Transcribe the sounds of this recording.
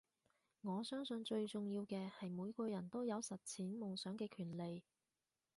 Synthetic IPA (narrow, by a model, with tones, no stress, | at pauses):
ŋɔː˨˧sœː˥ŋsɵ˧nt͡ʃɵ˧ɥt͡sʊ˨ŋjiː˧wkɛː˧hɐ˨jmuː˨˧jkɔː˧jɐ˨˩nt̪o˥wjɐ˨˧wsɐ˨t̚t͡sʰiː˨˥nmʊ˨ŋsœː˨˥ŋkɛː˧kʰyː˨˩nle˨j